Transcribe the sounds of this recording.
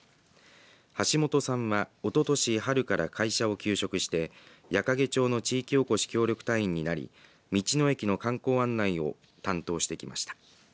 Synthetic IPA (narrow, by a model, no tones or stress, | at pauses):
haɕimo̞t̪o̞sãɰ̃βao̞t̪o̞t̪o̞ɕiɦaɾɯ̟kaɾa̰kʰaiɕao̞kʲɨːɕo̞kɯ̟ɕi̥t̪e̞ | jakaɡe̞t͡ɕo̞ːno̞t͡ɕiːkʲioko̞ɕi̥kʲo̞ːɾʲo̞kɯ̟̥t̪aĩɲ̟ːinaɾʲḭ | mʲit͡ɕino̞e̞kʲino̞kãŋko̞ːãnːaio̞̰ | t̪ãnt̪o̞ːɕi̥t̪e̞kʲima̰ɕi̥t̪ḁ